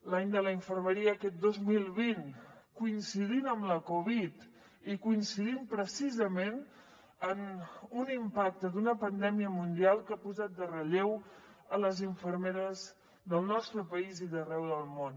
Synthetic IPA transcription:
laɲd̪ələiɱfərməɾiəːkɛt̪̚d̪ozmilˠβinkuinsiðinəmləkuβit̪ | ikuinsiðimpɾəsizəmen | ənunimpak̚t̪əd̪unəpənd̪ɛmiəmund̪ialˠkapuzat̪̚d̪ərəʎew | ələziɱfəɾmeɾəz | ðəlˠnɔst̪ɾəpəiziðərɛwðəlˠmon

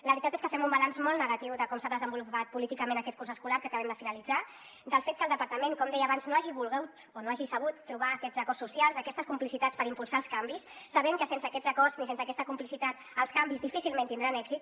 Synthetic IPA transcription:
ləβɾit̪at̪eskəfɛmumbalanzmɔlˠnəɣ̞at̪iwðəkɔmsaðəzəmbulupat̪̚pulit̪ikəmẽnəkɛt̪̚kurzəskulaɾkəakəβɛmd̪əfinəlid͡za | d̪əlˠfet̪̚kəlˠd̪əpəɾt̪əmeŋkɔmd̪ɛjəaβanznoaʒiβulˠɣɛwt̪ | onoaʒisəβ̞ut̪ːɾuβ̞aːkɛd͡zəkɔrsːusjalˠzəkɛst̪əskumplisit̪at͡spəɾimpulˠsaəlˠskambisːəβeŋkəsensəːkɛd͡zəkɔɾznisensəːkɛst̪əkumplisit̪at̪ | əlˠskambizðifisilˠment̪ind̪ɾanɛɡzit̪

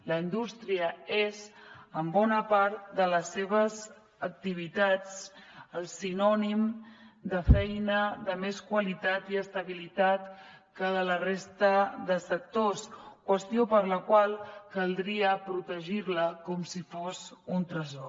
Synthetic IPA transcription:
ləind̪ust̪ɾiəezəmbɔnəpaɾt̪d̪ələsːeβ̞əz | ək̚t̪iβ̞it̪at͡səlˠsinɔnimd̪əfɛjnəðəmeskwəlit̪at̪iəst̪əβilit̪at̪kəðələrest̪əd̪əsək̚t̪oskwəst̪iopəɾləkwalˠkəlˠd̪ɾiəpɾut̪əʒiɾləkɔmsifosunt̪ɾəzɔ

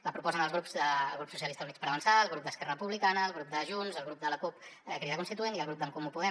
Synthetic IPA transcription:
ləpɾupɔzənəlzɣɾupzəlɣɾupsusiəlist̪əunitspəɾəβənsaəlˠɣɾup̚d̪əskɛrərəpuβlikanəːlˠɣɾup̚d̪əʒunzəlɣ̞ɾup̚d̪ələkupkɾiðakunst̪it̪ueniəlˠɣ̞ɾup̚d̪əmkumupuðɛ

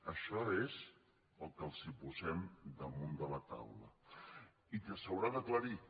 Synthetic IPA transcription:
əʃɔez | əlˠkəlˠzipuzɛmd̪əmund̪ələt̪a̰wlə̰ | it̪əsəwɾad̪əkləɾi

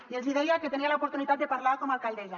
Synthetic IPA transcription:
iezβiðeiaket̪enialaopoɾt̪unit̪at̪̚d̪e̞paɾlaɾkomalkald̪eʝa

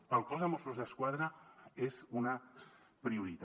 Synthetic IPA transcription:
alˠkɔzðamɔst̪uzðeskwaðɾaezuna | pɾiuɾit̪

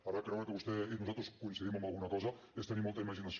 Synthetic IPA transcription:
aɾakɾɛwɾəkəβust̪ɛinuzalt̪ɾuskunsəðiməmbəlˠɣunəkɔzə | est̪ənimɔlˠt̪əiməʒinəs

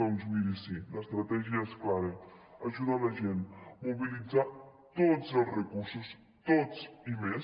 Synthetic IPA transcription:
and͡ʒuiɾisilast̪ɾat̪ɛʒiasklaɾeaʒuðalaʒenmoβilid͡za | t̪otzelˠsrekuɾsus | t̪ott͡simes

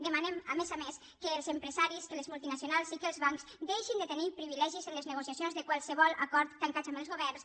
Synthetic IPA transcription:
d̪əmanemamezames | kəːlˠzəmpɾəzaɾiskələzmulˠt̪inasijonalˠsikəlˠzβaŋkzd̪ejʃind̪ət̪ənipɾiβilɛʒizənləznəɣosjasjonzðəkwalˠsəβɔlˠakɔɾt̪t̪aŋkat͡ʃaməlzɣoβɛrns

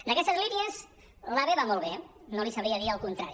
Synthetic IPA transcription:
d̪əkɛst̪əzliniez | laβeβamolˠβe | nolisaβɾiaðialˠkunt̪ɾaɾi

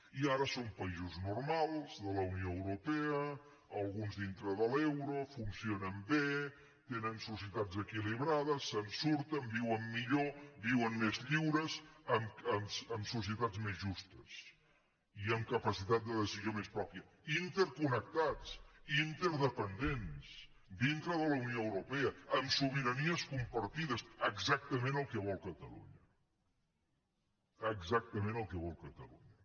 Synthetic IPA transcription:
iaɾəsompəizuznuɾmalˠzðələunioəwɾupɛəː | lˠɣunzðint̪ɾəðəlɛwɾofunsionəmbe | t̪enənsusiət̪ad͡zəkiliβ̞ɾaðəsːənsuɾt̪əmbiwəmːiʎobiwənmezʎiwɾəzəməmsəmsus̬iət̪ad͡zmezʒust̪əs | iəmkəpəsit̪at̪̚d̪əðəsizjomespɾɔpiə | int̪əɾkunək̚t̪at͡sint̪əɾðəpənd̪ens | d̪int̪ɾəðələwnioəwɾupeəəmsuβ̞iɾəniəskumpəɾt̪iðəsəɡzak̚t̪əmẽnəlˠkɛβ̞ɔlˠkət̪əlṵɲə | əɡzak̚t̪əmẽnəlˠkɛβɔlˠkət̪əlṵɲə

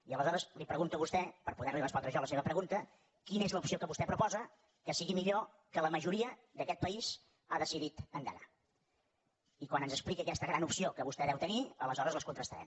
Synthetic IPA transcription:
iələzɔɾəzlipɾəɣunt̪əβust̪ɛpəɾpuðɛɾlirəspɔnd̪ɾəʃɔləseβəpɾəɣunt̪ə | kinəezləupsiokəβust̪ɛpɾupɔzə | kəsiɣimiʎo | kələməʒuɾiəðəkɛt̪̚pəiz | aðəsiðit̪ənd̪ə̰na̰ | ikwanənzəsplikəːkɛst̪əɣɾanupsiokəβust̪ɛðɛwt̪əniələzɔɾəzləskunt̪ɾəst̪əɾɛ̰m

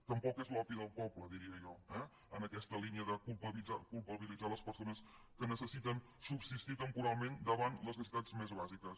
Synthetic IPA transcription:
t̪əmpɔkezlɔpiðəlˠpɔbləðiɾiəʒɔɛ | ənəkɛst̪əliniəðəkulˠpəβid͡za̰kulˠpəβilid͡zaləspəɾsonəs | kənəsəsit̪ən | subsist̪it̪əmpuɾalˠmend̪əβanləznəs̬it̪ad͡zmezβazikəs

